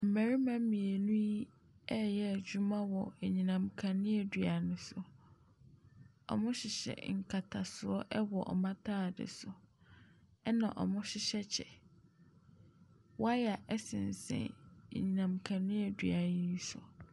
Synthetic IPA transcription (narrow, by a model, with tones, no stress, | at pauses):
m̩˨mæ˨ɾi˦mã˦mĩ˨e˨nũ˦i˦ | ɛ˦jɛ˦˨d͡ʑu˦mã˦wɔ˨ɲĩ˨nã˨mkʰã˨nɪ̃˦ɛ˦dɥa˨nɪ̃˦sʊ˨ | ɔ̰˨mʊ̃˦ɕɪ˨ɕɛ̰˨ŋ̩˨kʰa˨tʰa˨sʊ˨ɔ˦ʔɛ˦wɔ˨ʔɔ˨mã˦tʰaː˦˨dɪ̰˨sʊ˨ | ɛ˦nã̰˨ʔɔ̰˨mʊ̃˦ɕɪ˦ɕɛ˦t͡ɕʰɛ˨ | wʔa˦ja˨ʔɛ˦sɪ̰̃˨n˨sɛ̰̃˨ḛ˨ɲĩ˨nã˨mkʰã˨nɪ̃˦ɛ˨dɥa˨jĩ˦sʊ̰˨